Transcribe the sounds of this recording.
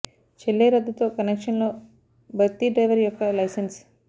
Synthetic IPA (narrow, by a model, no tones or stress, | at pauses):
t͡ʃelːeːɾɐd̪ːut̪oːkɐnekʂɐnloː | bʱɐt̪ːiɖɾɐjʋɐɾjɔkːɐlɐjsens